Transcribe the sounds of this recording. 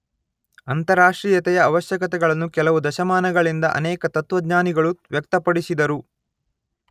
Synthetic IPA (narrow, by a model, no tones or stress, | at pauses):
ɐnt̪ɐɾaːʂʈɾiːjɐt̪ɛjɐːʋɐʃjɐkɐt̪ɛɡɐɭɐnːukɛlɐʋud̪ɐʃɐmaːnɐɡɐɭind̪ɐʔɐ̰nɛːkɐt̪ɐt̪ʋɐd̪ɲaːniɡɐɭuʋjɐk̚t̪ɐpɐɽisid̪ɐɾu